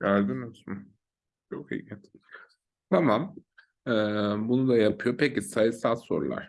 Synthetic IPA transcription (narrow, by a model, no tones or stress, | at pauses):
ɡæɾd̪imysum | t͡ʃʰokḭɛt̪ʰ | t̪ʰamam | ɛːbunud̪ajapʰɯjo̞pecisajɯsalˠso̞̰ɾṵlˠa̰ɾ̥